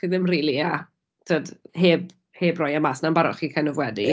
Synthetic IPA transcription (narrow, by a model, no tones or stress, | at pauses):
χiðɪmriːlˠia | tʰədheːb̚ | heːbrɔjamasnanmbaɾɔ̰χiːkʰanɔvwɛdi